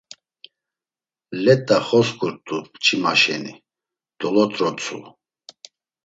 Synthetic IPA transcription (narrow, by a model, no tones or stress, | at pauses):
lɛt̪ʼaχɔskʰʼuɾt̪ʼupt͡ʃʰʼimaʃɛni | d̪̥ɔlɔt̪ʼɾɔt͡sʰʼṵ